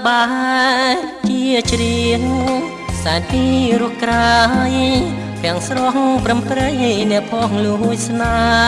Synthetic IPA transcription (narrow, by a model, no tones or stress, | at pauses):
ɓaːɦa | t͡ɕiəət͡ɕriəŋ | saɛnpiːɾuəhkraaj | k̪ɛ̆əŋsrokŋprəmprəŋnɛ̆əʔpʰokŋluəɦujsna